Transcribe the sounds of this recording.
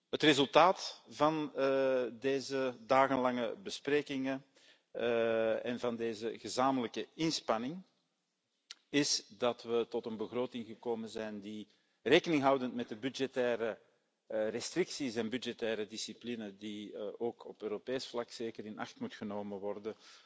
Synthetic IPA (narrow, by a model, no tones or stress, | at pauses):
ɦətrezɵlˠtaːtvɑn | deːzədaːɣənlɑŋə̰bəspreːkɪŋə | ɛnvɑndeːzəɣəzaːmələkəɪnspɑnɪŋ | ɪsdɑtʋətɔtənbəɣroːtɪŋɣəkoːmənzɛjndi | reːkənɪŋɦʌwdəntmɛt̚dəbyd͡ʒɛtɛːɾə | rɛstrɪksisɛnbydd͡ʒɛtɛːɾədisiplinədiʔoːkɔpøːɾopeːsflɑkseːkəɾɪnʔɑ̰xtmutxənoːməʋɔrdə